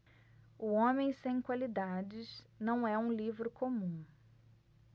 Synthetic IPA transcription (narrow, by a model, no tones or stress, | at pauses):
ʊõmẽj̃sẽj̃kwalid̪ad͡ʒɪsnɐ̃w̃ɛũlivɾʊkʰomũ